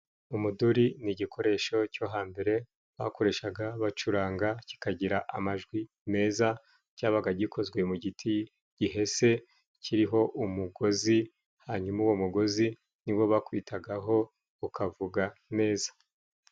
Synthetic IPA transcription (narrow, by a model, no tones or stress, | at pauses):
umuduɾiniɟikʰo̞ɾe̞ʃo̞co̞ɦaːmbe̞ɾe̞ | βako̞ɾe̞ʃaɡaβat͡ʃuɾaːŋɡaci̥kaɟiɾaʔa̰maʒɡwi | me̞ːza | caːβaɡaɟikʰo̞zɡwe̞muɟitʰi | ɟ̥iɦe̞se̞ | cʰiɾiɦo̞ʔumuɡo̞zi | haːɲumauwo̞muɡo̞zi | niwo̞βakuβitʰaɡaɦo̞ | ukʰavuɡame̞ːzḁ